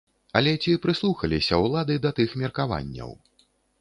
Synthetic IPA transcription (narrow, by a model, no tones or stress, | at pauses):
ɐlʲɛt͡sʲipɾɨslˠuxɐlʲisʲɐwlˠad̪ɨd̪ɐt̪ɨxmʲɐrkava̰nʲːɐ̰w